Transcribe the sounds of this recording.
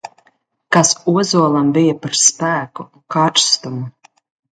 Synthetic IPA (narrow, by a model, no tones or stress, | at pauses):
kasuɔzuɔlˠambijapaɾspæːku | kaɾst̪umu